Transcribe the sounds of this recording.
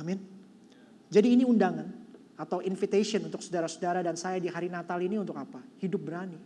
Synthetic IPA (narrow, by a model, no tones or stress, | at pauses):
amɪn | d͡ʒadiːniundaŋan | at̪awʔinfit̪esiɔnunt̪ʊksudaɾasudaɾadansajadiɦaɾinat̪aliniunt̪ʊkapahidʊp̚bəɾani